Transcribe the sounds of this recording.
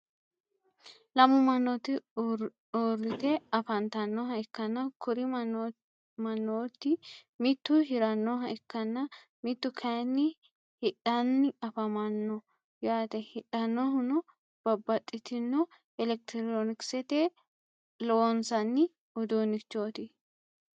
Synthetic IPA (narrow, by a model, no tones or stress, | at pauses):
lɐmʊmɐnːɔt̪ɪ | orːɪt̪ɛɐfɐnt̪ɐnːɔɦɐɪkːɐnːɐkʊɾɪ | mɐnːoːt̪ːɪmɪt̪ːʊhɪɾɐnːɔɦɐʔɪkːɐnːɐ | mɪt̪ːʊkʰɐnːɪ | hɪᶑɐnːɪɐfɐmɐnːɔ | jaːt̪ɛhɪᶑɐnːɔɦʊnʊ | b̥ɐbːɐt̪ʼːɪt̪ɪnːɔ | ɛlɛk̚t̪ɪɾoːnɪksɛt̪e | loːnsɐnːɪ | ʊd̪onɪt͡ʃːoːt̪ɪ